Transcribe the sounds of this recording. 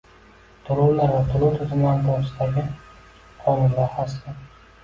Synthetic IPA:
t̪ʰʊlˠʊwlaɾvat̪ʰʊlˠʊwt̪ʰʊzɪmland̪ɒsɪd̪aɡʲɪ | qʰɒnʊnvahas̬ɪ

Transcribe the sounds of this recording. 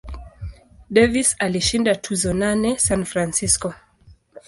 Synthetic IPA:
dɛvisaliʃindatʰuzɔnanɛsanfɾansiskɔ

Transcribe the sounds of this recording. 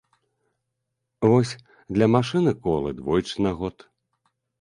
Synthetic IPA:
vɔsʲ | d̪lʲɐmaʂɨnɨkɔlˠɨ̰d̪vɔjt͡ʂɨnaɣɔt̪

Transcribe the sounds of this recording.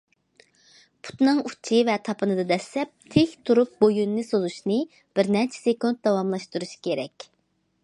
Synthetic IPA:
pʰu̥t̪nɨŋut͡ʃʰivɛt̪ʰɑpʰɨnɨd̪ɑd̪ɛslɛp̚t̪ʰehʲt̪ʰuɾup̚bojunːɨsozuʃnɨ | b̥ɪɾnɛɾt͡ʃʰɛ̥sekunt̪̚d̪ɑwɑmlˠɑʃt̪uɾuʃkʲʰeɾɛkʲ

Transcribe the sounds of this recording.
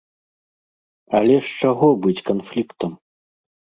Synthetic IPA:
ɐlʲɛʂt͡ʂaɣɔbɨt͡sʲkanflʲikt̪ɐm

